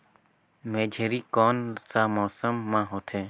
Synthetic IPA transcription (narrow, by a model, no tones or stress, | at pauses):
meːd͡ʒʱeɾiːkoːnsaːmoːsəmːãːɦoːt̪ʰeː